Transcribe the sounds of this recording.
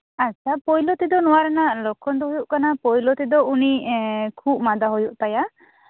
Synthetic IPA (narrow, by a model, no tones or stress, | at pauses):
at͡ʃʰapɔjlɔt̪id̪ɔnɔwaɾɛnalɔkʰɔnd̪ɔɦujuʔkanapɔjlɔt̪id̪ɔunikʰup̚mad̪aɦojuʔt̪aja